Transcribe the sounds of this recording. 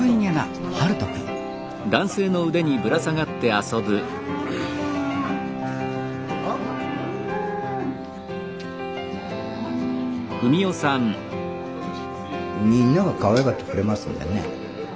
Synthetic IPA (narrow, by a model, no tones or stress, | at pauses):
ɯiɲʲaɾa̰ | haɾɯt̪okʲi | d̪ãɰ̃se̞ːno̞ɯ̟d̪e̞ɲ̟ibɯ̟ɾasaɡat̪ːe̞aso̞bɯ̟ | kɯ̟mʲio̞sãɴ | mʲĩnːaɡakaβajakat̪ːe̥kɯ̟ɾe̞masɨ̰̃nd̪ḛnḛ